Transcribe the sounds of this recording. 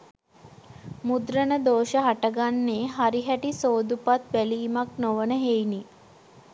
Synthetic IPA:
mud̪ɾənəd̪oːʃəɦaʈəɡanːeːɦaɾiɦæʈisoːd̪upat̪ʋæliːmaknoʋənəɦejni

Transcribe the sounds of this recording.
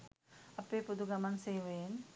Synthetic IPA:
apepud̪uɡamansejwen

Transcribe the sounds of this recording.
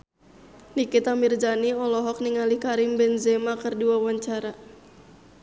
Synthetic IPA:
likɪt̪amird͡ʒaniɔlɔɦɔk̚niŋalikaɾɪmbɛnzɛmakɨrduwawaɲt͡ʃaɾa

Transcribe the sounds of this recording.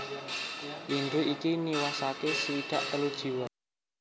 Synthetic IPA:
lind̪uʔikiniwasakesəwiɖ̥a̤ʔt̪əlud̥ʒ̥i̤wa

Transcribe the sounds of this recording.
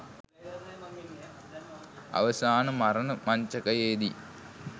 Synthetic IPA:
ɐ̰ʋɐsaːnɐmɐɾɐnəmɐɲt͡ʃɐkɐjeːd̪ḭ

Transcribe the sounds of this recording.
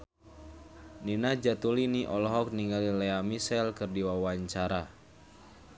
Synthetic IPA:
ninad͡ʒat̪uliniʔɔlɔɦɔk̚niŋɡalilɛamisɛlkɨrdiwawaɲt͡ʃaɾa

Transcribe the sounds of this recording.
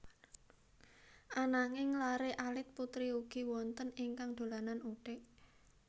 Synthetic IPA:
ʔanaŋɪŋlaɾeʔalɪt̪̚put̪ɾiuɡ̥i̤wɔnt̪ənɪŋkaŋd̪̥o̤lananuɖ̥ɪʔ

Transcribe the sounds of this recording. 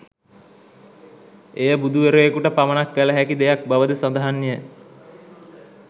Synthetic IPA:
ejəbud̪uʋeɾuekuʈəpamənakːələɦækid̪ejak̚baʋəd̪əsand̪əɦanːijə

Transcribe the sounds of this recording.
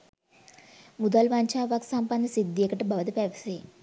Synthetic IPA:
mud̪ɐlʋɐɲt͡ʃaːʋaːksɐmpɐnd̪isid̪ːekɐʈɨbʱɐʋɐt̪ipeʋɐsi

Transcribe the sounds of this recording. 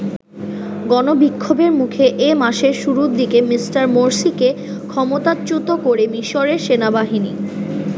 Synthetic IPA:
ɡɔnobikʰːobeɾmukʰeʔemaʃeɾʃuɾud̪ikemisʈaɾmoɾsike | kʰɔmot̪at͡ɕut̪okoɾemiʃoɾeɾʃenabaɦinḭ

